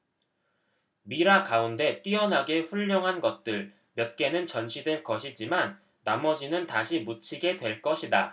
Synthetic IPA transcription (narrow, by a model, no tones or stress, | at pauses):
miɾakaunde̞t͈iʌnɦaɡe̞ɸuʎːʌŋɦanɡʌt̚t͈ɯɭ | mjʌt̚k͈e̞nɯnt͡ɕʌnɕʰidweɭkʌɕʰid͡ʑimanː | amʌd͡ʑinɯntaɕʰimut͡ɕʰiɡe̞dwe̞ɭk͈ʌɕʰida̰